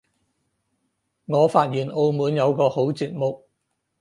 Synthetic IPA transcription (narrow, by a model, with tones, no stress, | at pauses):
ŋɔː˨˧faː˧t̚jiː˨˩nʔo˧wmuː˨˧njɐ˨˧wkɔː˧ho˨˥wt͡siː˧t̚mʊ˨k̚